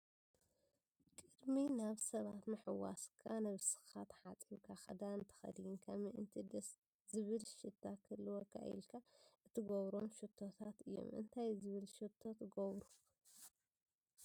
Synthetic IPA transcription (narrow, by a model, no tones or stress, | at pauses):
kʼɨd̪minaβsɐβat̪mɨħɨwa̰skʰanɐβsɨ̥xat̪ħat͡sʼiβkʰaxɐ̰d̪aɨnt̪ʰɐ̥xɐ̰d̪ɨjɨŋkʰamɨʔɨnt̪ʰid̪ɐs | zɨβɨlʃɨt̪ʰːakʰɨlːɨwokʰa̰ḭlkʰaʔɨt̪ʰːɨɡoβɾomʃɨt̪ʰːo̞t̪ʰat̪ɨjːo̞̰mʔɨ̰nt̪ʰajzɨβɨlʃɨt̪ʰːo̞t̪ɡoβɾu